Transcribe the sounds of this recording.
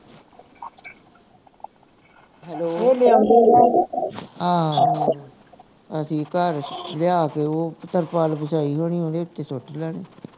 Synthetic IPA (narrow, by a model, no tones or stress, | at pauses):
ɦɛloːoːlɪa | ɦãː | əsĩːkəɾlɪaːkeːoːpət̪əɾpaːlbəʃaːiːɦoːñiːɦõːd̪eːʊt̪ːeːsʊʈʰlaːneː